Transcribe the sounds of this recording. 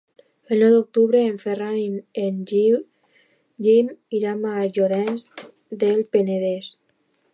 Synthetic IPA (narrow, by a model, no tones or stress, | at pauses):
əlnɔwd̪ok̚t̪uβɾeːɱferaneni | ʎimiɾamaʒoɾɛnz | d̪elpeneðes